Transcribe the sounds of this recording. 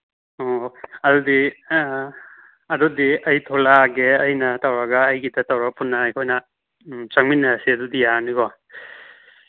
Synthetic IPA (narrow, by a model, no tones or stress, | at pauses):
ɔɐdudi | ɐdudiɐjtʰɔlaɡeɐjnɐtawɾaɡɐːjɡidɐtawɾapunːaːjkʰojnɐ | t͡ʃaŋminːasiɐdudijaaniɡɔ